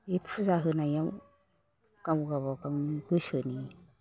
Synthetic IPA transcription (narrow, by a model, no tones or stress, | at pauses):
epʰuzaɦɯnajaw | kamuɡaβakamɡɯsɯni